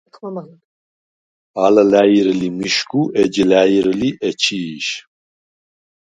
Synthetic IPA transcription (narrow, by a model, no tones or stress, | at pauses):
alalæjiɾɨlimiʃkʰuʔɛd͡ʒilajiɾɨliʔɛt͡ʃʰiːʃ